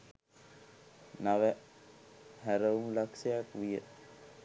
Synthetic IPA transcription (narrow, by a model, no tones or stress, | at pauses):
naʋə | hæɾəumlaksejakʋijə̰